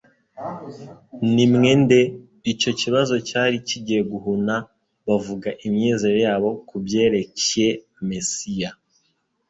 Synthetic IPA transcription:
nimŋe̞nde̞ | ico̞ciβazo̞caɾiciɟieɡuɦuna | βavuɡaʔimɲeːze̞ɾo̞jaːβo̞kubje̞ːɾe̞cje̞ | mesija

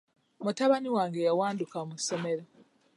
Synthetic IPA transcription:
mutaβaniwaːŋɡejawaːndukamuso̞meɾa

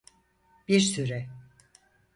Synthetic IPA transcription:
biɾsyɾɛ

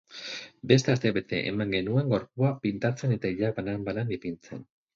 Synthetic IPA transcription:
be̞st̪east̪e̞βe̞t̪e̞̰ʔḛmaŋɡe̞nue̞ŋɡo̞ɾpuapint̪at͡se̞ne̞t̪aiʎaβanambalanipint͡se̞̰n

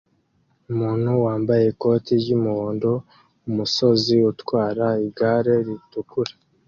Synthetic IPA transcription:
umuːn̥huwaːmbaje̞ko̞ːtiɾɟumuhoːndo̞ | umuso̞ziutwaːɾaiɡaːɾe̞ɾitukuɾḁ

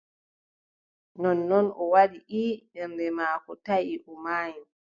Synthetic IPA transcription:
nɔnːɔnɔwaɗiʔiɓɛmbɛmaːkɔtajiʔɔmaːjim

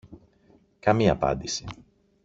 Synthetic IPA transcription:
kɐmiɐ̰pɐ̰nd̪isi

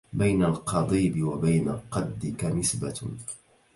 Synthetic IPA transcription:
bajnalqʰɑd̪ˤiːbɪwabajnalqɑd̪ːɪkanɪsba

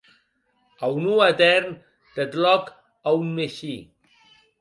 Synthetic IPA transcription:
awnuat̪ɛɾn | d̪̥ət̪lɔk | awnːeʃi

